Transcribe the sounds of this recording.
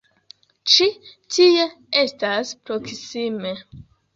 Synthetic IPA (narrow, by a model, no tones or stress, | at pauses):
t͡ʃitʰie | estaspɾoksime̞